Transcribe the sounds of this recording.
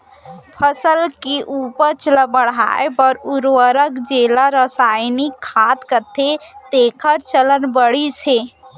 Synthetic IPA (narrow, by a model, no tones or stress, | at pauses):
pʰəsəlkeʔupəɾt͡ʃləbəɽa̰epəɾuɾwəɾəkd͡ʒelaɾəsajnikʰːat̪kət̪ʰet̪eːkʰəɾt͡ʃələnbəɽise